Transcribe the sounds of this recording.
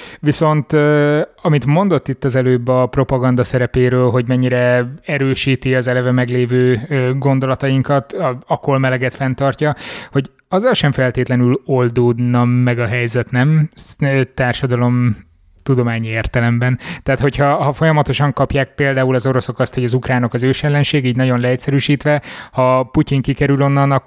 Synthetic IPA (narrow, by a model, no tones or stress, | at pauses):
ʋiso̞nt̪øɒmit̪mo̞nd̪o̞t̪ːit̪ːɒzɛløːbɒpro̞pɒɡɒnd̪ɒsɛɾɛpeːɾøːlɦo̞ɟmɛɲːiɾɛɛɾøːʃiːt̪iɒzɛlɛvɛmɛɡleːvøːøɡo̞nd̪o̞lɒt̪ɒjiŋkɒt̪ɒɒkːo̞lmɛlɛɡɛt̪fɛnt̪ɒrcɒho̞ɟ | ɒzːɒlʃɛɱfɛlt̪eːt̪lɛnylo̞ld̪oːd̪nɒmːɛɡɒɦɛjzɛt̪nɛmː | t̪aːrʃɒd̪ɒlo̞m | t̪ud̪o̞maːɲieːrt̪ɛlɛmbɛnt̪aːt̪ho̞chɒhɒfo̞jɒmɒt̪o̞ʃɒŋkɒpjaːk̚peːld̪aːulɒzo̞ɾo̞so̞kɒst̪ho̞ɟɒzukraːno̞kɒzøːʃɛlːɛnʃeːɡiːɟnɒɟo̞nlɛɛt̪ʲsɛɾyːʃiːt̪ʋɛhɒpuciŋkikɛɾylo̞nːɒnɒ